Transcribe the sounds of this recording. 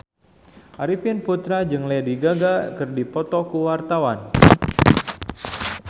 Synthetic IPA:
ʔaɾipɪnput̪ɾad͡ʒɨŋlɛdiɡaɡakɨrdipɔt̪ɔkuwart̪awan

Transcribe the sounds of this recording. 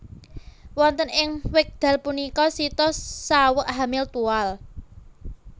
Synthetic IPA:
wɔnt̪ənɪŋwɪk̚d̪̥ä̤lpunikɔsit̪ɔsawəʔɦamɪlt̪ual

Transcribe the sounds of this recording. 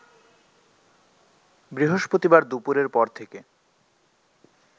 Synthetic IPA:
bɾiɦoʃpɾot̪ibaɾd̪upuɾeɾpɔɾt̪ʰeke

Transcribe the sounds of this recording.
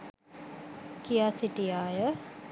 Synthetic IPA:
kijasiʈijaːjə

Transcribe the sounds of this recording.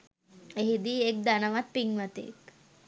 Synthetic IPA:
eɦid̪iːek̚d̪anəʋat̪̚piŋʋət̪ḛk

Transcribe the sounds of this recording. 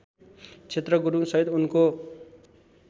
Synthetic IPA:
t͡sʰet̪rʌɡuɾusʌɦit̪unko

